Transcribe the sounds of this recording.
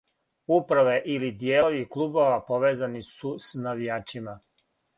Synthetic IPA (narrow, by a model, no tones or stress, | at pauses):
upɾaʋeʔilid̪jeːloʋiklˠubo̞ʋapoʋeːzanisusnaʋijaːt͡ʃima